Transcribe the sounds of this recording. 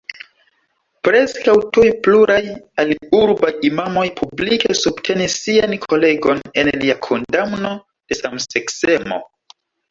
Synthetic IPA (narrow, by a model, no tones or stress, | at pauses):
pɾe̞skawtujpluɾajaliuɾbajimamo̞jpʰublike̞subtʰe̞nisːiankʰo̞le̞ɡo̞ne̞nliakʰo̞ndamno̞ | d̥e̞samsekse̞mo̞̰